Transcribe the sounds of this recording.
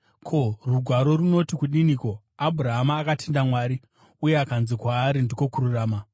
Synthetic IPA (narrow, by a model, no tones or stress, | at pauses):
kʰo̞ruɡʱwaɾo̞runo̞tikuɗiniko̞ | abʱuɾaɦamaːkatʰendamwaːɾi | uje̞akanzikwaːɾindiko̞kuɾuraːma